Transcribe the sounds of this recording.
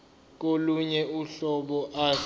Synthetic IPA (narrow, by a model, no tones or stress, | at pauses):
k̬oluɲɛuɬɔɓɔʔa